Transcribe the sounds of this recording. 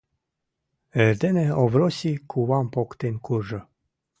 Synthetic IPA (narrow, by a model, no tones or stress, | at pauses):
ɛɾd̪eneovɾosʲikʰuwampokt̪enʲkʰuɾʒə̆